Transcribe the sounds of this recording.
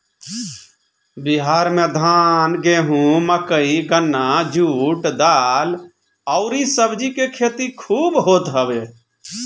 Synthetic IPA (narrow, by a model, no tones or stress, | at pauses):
biɦaːɾmẽd̪ʱaːnɡeːɦũməkəiɡənːad͡ʒuːʈd̪al | ɔʊɾisəbd͡ʒikekʰeːt̪ikʰuːbɦoːt̪ɦəʋe